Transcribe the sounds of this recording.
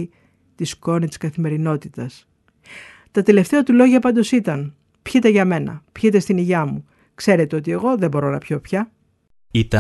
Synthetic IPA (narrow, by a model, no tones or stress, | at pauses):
t̪isko̞nit̪i̥skɐθime̞ɾino̞t̪it̪ɐs | t̪ɐt̪e̞le̞ft̪e̞ɐt̪ulo̞ʝɐpɐnd̪osit̪ɐn | pçit̪e̞ʝɐme̞nɐ̰pçit̪e̞st̪iniʝɐmu | kse̞ɾe̞t̪e̞o̞t̪ie̞ɣo̞ðe̞bo̞ɾo̞nɐ̰pço̞pçɐ | it̪ɐ